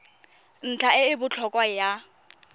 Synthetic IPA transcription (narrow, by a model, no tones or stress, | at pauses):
n̩t͡ɬʰaɪɪbʊt͡ɬʰɔkʼwaja